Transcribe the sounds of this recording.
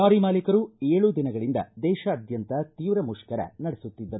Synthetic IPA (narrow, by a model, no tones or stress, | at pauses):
aːɾimaːlikɐɾueːɭud̪inɐɡɐɭind̪ɐ̰d̪ɛːʃɐːd̪jɐnt̪ɐt̪iːʋɾɐmuʂkɐɾɐ̰nɐɽesut̪ːid̪ːɐɾu